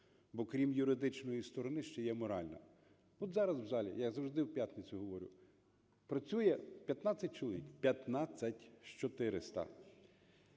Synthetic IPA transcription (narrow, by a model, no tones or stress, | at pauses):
bɔkɾʲimjʊɾɪd̪ɪt͡ʃnɔjist̪ɔɾɔnɪʃt͡ʃɛjɛmɔɾɑlʲnɐ̰ | ɔt̪zɑɾɐzwzɑlʲḭjɐzɐwʒd̪ɪwpʲjat̪net͡sʲʊɦɔʋɔɾʲʊ̰ | pɾɐt͡sʲujɛpʲjɐt̪nɑt͡sʲːɐt̚ʲt͡ʃelˠɔʋʲikpʲjɐt̪nɑt͡sʲːɐtʲʃt͡ʃɔt̪ɪɾɪst̪ɐ̰